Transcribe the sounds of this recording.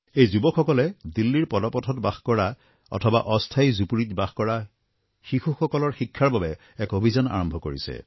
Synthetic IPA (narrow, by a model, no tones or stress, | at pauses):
ejzubɔkxɔkɔlɛdilːiɹpɔdɔpɔtʰɔtbaxkɔɹa | ɔ̰tʰɔba̰ʔɔstʰajzupuɹitbaxkɔɹa | xixuxɔkɔlɔɹxikʰːaɹbabɛ | ɛkobʱizɔna̰ɹɔmbʱɔkoɹisɛ̰